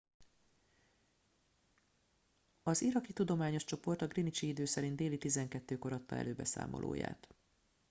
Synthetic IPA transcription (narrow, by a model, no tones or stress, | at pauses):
ɒziɾɒkit̪ud̪o̞maːɲo̞ʃt͡ʃo̞po̞rt̪ɒɡrinit͡ʃiid̪øːsɛɾind̪eːlit̪izɛŋkɛt̪ːøːko̞ɾɒt̪ːɒ̰ɛ̰løːbɛ̰sa̰ːmo̰lʔo̰ːja̰ːt̪